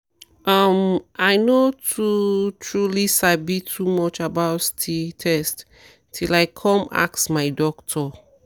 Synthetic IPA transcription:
ʔʌmaɪnotʰutʰɹulisabitʰumɔt͡ʃabaʊtstʰitʰɛst | tʰilaɪkʰɔ̃ma̰ksmaɪdɔktʰɔ

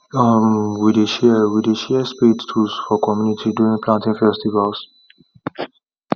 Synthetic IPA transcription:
amwideʃɛwideʃɛspedtʰusfɔkʰɔmjunitʰiduɹĩŋpʰlãntĩŋfɛstivals

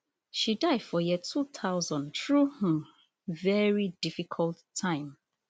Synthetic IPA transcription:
ʃidaɪd̥fɔjɛtʰut̪ʰaʊzɔ̃ntɹuhə | vɛɹidifikʰɔltʰːãɪ̃m

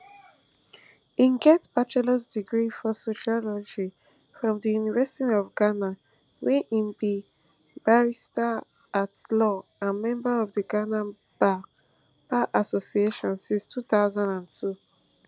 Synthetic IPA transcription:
ĩŋɡɛtbat͡ʃɛlɔs̬diɡɹifɔsoʃiɔlɔd͡ʒi | fɹɔ̃mdəjunivɛsi̥tiɔvɡana | wɛ̃ʔĩmbi | b̥aɹista | atlɔãnmɛ̃mbaɔvdəɡana | ba | b̥aʔasosieʃɔ̃nsĩnstʰuθaʊzãndãntʰu

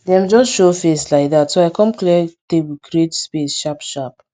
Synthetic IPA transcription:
dɛ̃md͡ʒɔsʃofeslaɪk̚ðatsoaɪkɔ̃mklɛtebukɾietspesʃapʃap

